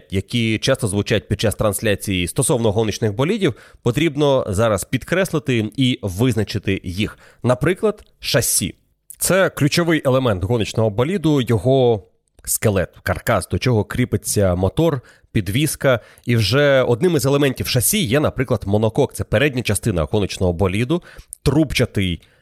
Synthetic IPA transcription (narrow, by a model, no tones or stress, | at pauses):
jɐkʲit͡ʃɑst̪ɔzʋʊt͡ʃajʊt̚ʲpʲid̪̚t͡ʃːast̪ɾɐnsʲlʲat͡sʲijist̪ɔsɔwnɔɦɔnɪt͡ʃnɪxbɔlʲidʲiwpɔt̪ɾʲibnɔzɑɾɐspʲid̪kɾɛslˠɪt̪ɪiʋɪznɐt͡ʃɪt̪ɪjix | nɐpɾɪklˠɐd̪ | ʃɐsʲːḭ | t̪sɛklʲʉt͡ʃɔʋɪjʔelˠemɛnt̪ɦɔnɪt͡ʃnɔɦɔbɔlʲid̪ʊjɔɦɔ | skelˠɛt̪kɐrkɑzd̪ɔt͡ʃɔɦɔkɾʲipɪt͡sʲːɐmɔt̪ɔr | pʲid̪ʋʲiskɐ | iwʒɛɔd̪nɪmɪzelˠemɛnʲtʲiwʃɐsʲijɛnɐpɾɪklˠɐd̪mɔnɔkɔk̚t̪ɛpeɾɛdʲnʲɐt͡ʃɐst̪ɪnɐ̰ɣɔnɪt͡ʃnɔɦɔbɔlʲid̪ʊt̪ɾupt͡ʃɐt̪ɪj